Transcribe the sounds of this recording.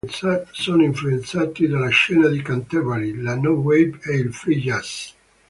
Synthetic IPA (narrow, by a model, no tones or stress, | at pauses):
t̪sasonoiɱfluent̪saːt̪id̪alaʃɛːnad̪ikant̪ɛvalilanowɛbɛilfɾijas